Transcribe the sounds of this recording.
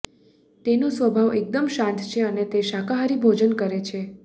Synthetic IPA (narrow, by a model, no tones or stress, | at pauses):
t̪enosʋəbʱaʋek̚d̪əmʃãnt̪ʰt͡ʃʰeənet̪eʃakaɦaɾibʱod͡ʒənkəɾet͡ʃʰe